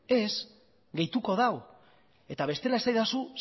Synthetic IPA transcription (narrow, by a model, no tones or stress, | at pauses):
e̞z | ɡe̞jt̪uko̞ð̞aw | e̞t̪aβ̞e̞st̪e̞laesajðasu